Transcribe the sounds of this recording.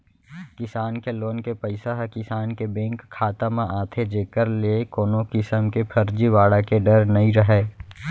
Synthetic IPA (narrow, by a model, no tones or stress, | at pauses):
kɪsaːnkeloːnkepəɪsaɦkɪsaːnkebẽːŋkʰːaːt̪amãʔaːt̪ʰed͡ʒeːkəɾlekoːnõkɪsəmkepʰɐɾd͡ʒiʋaːɽakeɖəɾnɐɦĩɾəɦeː